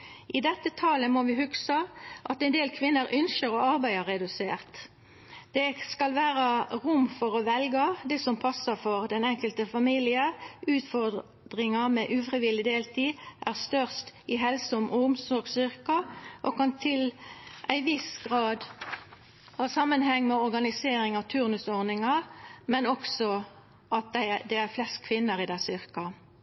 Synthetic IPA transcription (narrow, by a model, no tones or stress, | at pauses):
ʔɪd̪ɛt̪ːət̪ʰɑləmoːʋɪhʉɡsɑʔɑt̪æɪnd̪eːlkʰʋɪnːəɾʔœnʃəɾɔɑʁbæɪɑʁɛd̪ʉseːʁt̪ | d̪̥ɛskɑlʋæːʁəʁʊmfɔʁɔʋɛlɡəd̪ɛsɔmpʰɑsəfɔʁd̪ɛnɛŋkəlt̪əfɑmiːlɪəʁʉːt̪fɔʁ | d̪ʁɪŋəmɛʔʉːfʁɪʋɪlːɪd̪eːlt̪ʰiːʔæʁst̪œʁst̪ɪɦɛlsɔmʔɔʊmsɔɡsʏʁkəʔɔkʰɑnt̪ʰɪlʔæɪʋɪsɡ̥ʁɑːd̪ | hɑːsɑmːənhɛŋːmɛɔɾɡɑnɪseːɾɪŋɑʋt̪ʰʉʁnʉsɔʁnɪŋɑɾmɛnɔksɔ | ʔɑt̪̚d̪æɪd̪ɛæʁflɛst̚kʰʋɪnːəɾɪd̪æɪsʏʁkɑ